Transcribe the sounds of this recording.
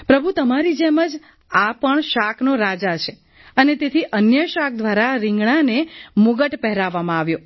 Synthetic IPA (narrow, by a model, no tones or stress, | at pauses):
pɾəbʱut̪əmaɾid͡ʒeməd͡ʒ | apəɳʃakʰnoɾad͡ʒat͡ʃʰe | ənet̪et̪ʰiʔənjəʃak̚ʰd̪ʋaɾaɾɪ̃ŋɡɳ̃anemuɡəʈpɛɦɾaʋːamãaʋjo